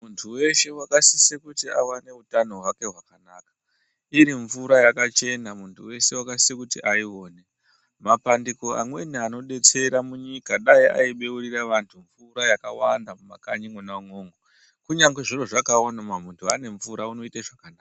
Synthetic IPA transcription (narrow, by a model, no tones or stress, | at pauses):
muntʰuwe̞ʃe̞wakasisekutia̰wane̞utano̞ɦwake̞ɦwakanaːkḁ | iɾiɱvuɾajakat͡ʃe̞namuntʰuwe̞se̞wakasi̥ekutḭʔaio̞ːne̞ | mapandiko̞a̰mwe̞niano̞ɗe̞t͡se̞ɾamuɲikaɗaiʔa̰iɓe̞uriraʋantʰuɱvuɾajakawandamuma̰kaɲiŋwonauŋo̞ːŋɡo | kuɲaŋɡweʐiro̞ʐakaonamamuntʰuane̞ɱvuɾauno̞itaʐakanaːa